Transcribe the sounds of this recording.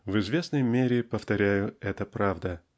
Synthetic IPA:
vɪzvʲe̞snəjmʲeɾʲɪpəft̪ɐɾʲæjʊɛt̪əpɾavd̪ə

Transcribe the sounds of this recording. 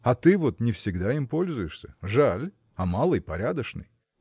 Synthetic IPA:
ɐt̪ɨvo̞t̪nʲɪfsʲɪɡd̪aimpo̞lʲzʊjɪʂsʲəʐalʲ | ɐmalˠɨjpɐɾʲad̪əʂnɨ̰j

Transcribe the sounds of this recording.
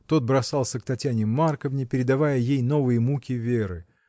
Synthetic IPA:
t̪o̞t̪̚bɾɐsɑlˠsʲəkt̪ɐtʲanʲɪmːarkəvnʲɪpʲɪɾʲɪd̪ɐvajəjejno̞vɨjəmukʲɪvʲeɾɨ

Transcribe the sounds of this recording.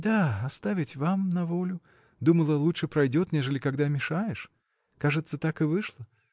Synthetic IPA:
d̪aɐst̪avʲɪtʲvamnɐvolʲʊ | d̪uməlˠəlˠutʂɨpɾɐjdʲot̪nʲeʐɨlʲɪkaɡd̪amʲɪʂajɪʂ | kaʐɨt̪sət̪akɨvɨʂlˠə

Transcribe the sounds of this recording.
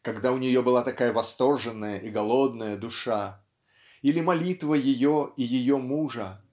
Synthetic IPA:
kɐɡd̪aʊnʲɪjo̞bɨlˠat̪ɐkajəvɐst̪o̞rʐɨnːəjəʔɪɡɐlˠo̞d̪nəjəd̪ʊʂa | ilʲɪmɐlʲit̪vəjɪjo̞ijɪjomuʐə

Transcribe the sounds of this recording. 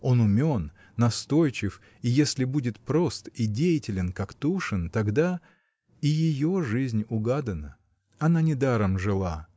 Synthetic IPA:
o̞nʊmʲo̞nː | ɐst̪o̞jt͡ɕɪf | ijesʲlʲɪbudʲɪt̪pɾo̞st̪idʲejɪtʲɪlʲɪnkakt̪uʂɨnt̪ɐɡd̪a | ijɪjo̞ʐɨzʲnʲʊɡad̪ənə | ɐnanʲɪd̪aɾəmʐɨlˠa

